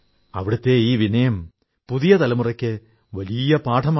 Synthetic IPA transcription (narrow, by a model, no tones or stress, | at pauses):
ɐ̰ʋiɽɐt̪ːe̞iːʋinɐjɐm | puðijɐt̪ɐlɐmurɐkʲːɨ | ʋɐlijɐpaːʈʰɐma